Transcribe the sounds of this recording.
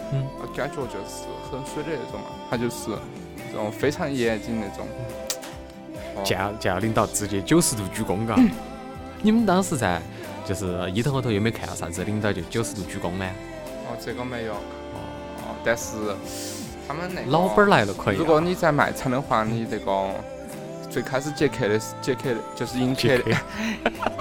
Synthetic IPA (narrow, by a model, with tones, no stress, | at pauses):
ə̰˧ka˥t͡ɕwɔ˥˧˩ʈ͡ʂə˧˩ʂ̩˥˩xə˥nswe˥lə˥˩d̪e˧˥ʈ͡ʂʊ̰˨˩ŋə̰˧˩t̪ʰa˥t͡ɕjo˥˧ʊʂɻ̩˥˩˥ | ʈ͡ʂʊ̰˨˩ŋfe˥ɪʈ͡ʂʰɑ˧˥ŋjɛ˧˥ɛ˨˩t͡ɕi˥˧nne˥˩ʈ͡ʂʊ̰˨˩ŋ˧ | t͡ɕja˨˧˩t͡ɕja˨˩˧li˥˧ŋt̪ɑ˥˩ʊt͡sɹ̩˥˧t͡ɕjɛ˧˥t͡ɕjo˥˧ʊsɹ̩˥t̪u˨˩t͡ɕy˥kʊ˧˥ŋɡə˨˧ | ni˨˩mə˧˦nt̪ɑ˥ŋʂɻ̩˥˧t͡sa˥˧ɪ | t͡ɕjo˧ʊʂɻ̩˥˩˧i˧˥t̪ʰŋxt̪ʰjo˧˥me˧˥kʰa˨˩ɑ̰˥sa̰˧˩t͡s̩˥˩˥i˥˧ŋt̪ɑ˥˧ʊt͡ɕo˥˩jo˥˧ʂɹ̩˥t̪u˨˩t͡ɕy˥˩kʊ˥ŋlə˧˩˨ | ɔ˧˩t͡sɛ˧˩ko˥˧me˧ɪjo˨˩ʊ | ɔ̰˧˩ | ɔ̰˧˩t̪a˥˧nʂɻ̩˥˩ | t̪ʰa˥mə˨nne˨˩lɑ˥ʊə˥la˥˩ɪlə˧kʰə˥˩nɻu˧˥kwɔ˨˧˦ni˧˩t͡sa˥˩ɪma̰˨˩ɪt͡sʰa˧˥ɪnɤ˧˥ŋxwa˧˥ni˧˩t̪e˧˩kʊ˧˥ | t͡swe˥˩ɪkʰa˥ɪʂɻ̩˧t͡ɕjɛ˥˩kʰe˨˩ɪlə˧˥˧t͡ɕjɛ˥˧kʰe˥˩də˨˩t͡ɕjo˥˧ʊʂɻ̩˥˧i˥nk